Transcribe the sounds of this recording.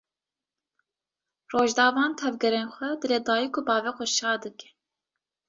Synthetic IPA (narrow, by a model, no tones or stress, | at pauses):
roːʒd̪ɑːvɑːnt̪ʰɛvɡɛɾeːnxʷɛd̪ɨleːd̪ɑːjikʰʊbɑːvɛxɛʃɑːd̪ɨkɛ̥